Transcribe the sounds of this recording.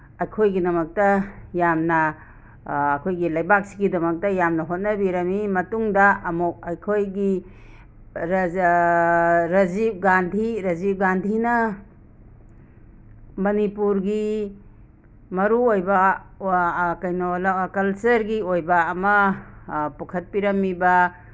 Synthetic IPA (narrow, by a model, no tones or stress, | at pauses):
ɐjkʰojɡidɐmɐk̚tɐjamnɐː | kʰojɡilajbak̚si̥ɡidɐmɐk̚tɐjamnɐɦot̚nɐbiɾɐmimɐtuŋdɐɐmuk̚ɐjkʰojɡi | ɾ | ɾɐzip̚ɡandʱiɾɐzip̚ɡandʱinɐ | mɐnipuɾɡi | mɐɾuojbɐ | kajnolakɐlsɐɾɡiojbɐːmɐ | pukʰɐt̚piɾɐmːibɐ